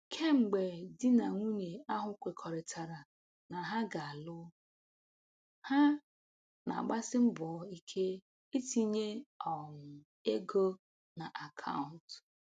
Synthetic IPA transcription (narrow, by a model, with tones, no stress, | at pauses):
kʰe˦ŋ͡m̩˨ɡ͡be˨dɪ˦na˨ŋʷu˦ɲe˨a˦ɦʊ˦kʷe˨kʰɔ˨ɾɪ˨tʰa˨ɾa˨ | na˨ɦa˦ɡa˨a˨lʊ˦ | ha˦ | na̰˨ɡ͡ba˦sɪ˦m̩˦bɔ˨˦i˦kʰe˦ | i˦ti˦ɲe˦ɔ˨m̩˨ | e˦ɡo˦ | na˨ʔa˨kʰa̰˦wn̩˨t